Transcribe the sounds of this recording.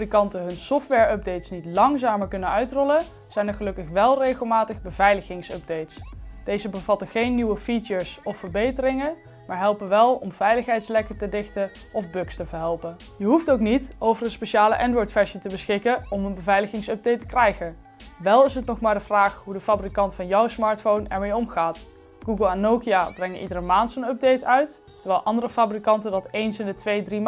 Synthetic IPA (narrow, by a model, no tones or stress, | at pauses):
brikɑntənɦɵnsɔftʋɛːɹœb̚dejtsnitlɑŋzaːməɹkɵnənœɥtrɔlə | z̥ɛjnəɹχəlɵkəχʋɛlˠrejχəlˠmaːtəχbəvɛjləχɪŋsœ̰b̚dejtsd̥ejzəbəvɑtəχejnːiʋəfit͡ʃəɹsɔfəɹbejtərɪŋə | maːɹɦɛlˠpənʋɛlˠɔmvɛjləχɦɛjtslɛkətədɪxtə | ɔvbɵkstəvəɹɦɛlˠpən | jəɦuftowknitowvərənspeʃaːləʔɛndʋɔɹtfɛɹʃətəbəsxɪkənɔmənbəvɛjləχɪŋsœb̚dejtə̥krɛjχən | ʋɛlˠɪsɦətnɔχmaːɹdəvraːχɦudəfaːbrikɑntfɑnjɔwsmɑːɹtfownɛ̰ɹmejɔmχaːt | ɡ̥uɡəlˠɛnːowkiaːbrɛŋənʔidərəmaːntsonœb̚dejtœɥtː | əɹʋɛːlˠʔɑndərəfaːbrikɑntəndɑtejnsɪndətʋejdrim